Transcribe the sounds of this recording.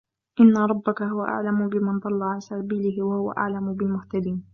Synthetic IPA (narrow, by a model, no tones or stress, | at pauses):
ʔɪnːaɾˤɑbːakaɦʊwaʔa̰ʕlamʊbɪmand̪ˤɑlːɑʕalsabiːlɪhɪwahʊwa̰ʔa̰ʕlamʊbɪlmʊht̪ad̪iːn